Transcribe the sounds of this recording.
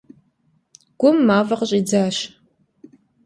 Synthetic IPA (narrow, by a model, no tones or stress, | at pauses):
ɡ̥ʷʊmːaːvɐqəɕʼiːd͡zaːɕ